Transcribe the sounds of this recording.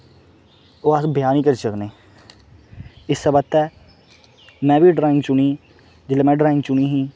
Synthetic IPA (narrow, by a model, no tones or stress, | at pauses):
oːasbʱɪjaːniːkəɾt͡ʃəknẽː | ɪsːəbət̪ːɛː | mɛ̃ːbiːɖɾaːɪ̃ŋɡt͡ʃʊɳiː | d͡ʒɪleːmɛ̃ːɖɾaːɪ̃ŋɡt͡ʃʊɳ̃iːɦĩː